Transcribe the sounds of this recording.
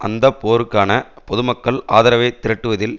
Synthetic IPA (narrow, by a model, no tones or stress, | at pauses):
ʔɐ̰nd̪ɐpoːɾɯkːaːnɐ | pɔðɯmɐkːɐɭaːðɐɾɐʋɐɪt̪ːɪɾɐʈːɯʋɐðɪl